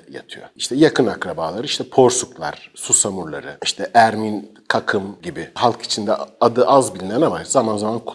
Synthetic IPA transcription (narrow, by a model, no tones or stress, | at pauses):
ja̰t̪ʰɯjo̰iʃt̪ʰɛjakʰɯnakɾabaːlˠaɾɯiʃt̪ʰɛpʰo̞ɾsuklˠa̰ɾ̥susamuɾlˠa̰ɾɯiʃt̪ʰɛʔæɾmin | kʰakʰɯmɟibihalˠkʰi̥t͡ʃʰind̪ɛad̪ɯʔazbilʲnʲɛɾnamazamanzamankʰ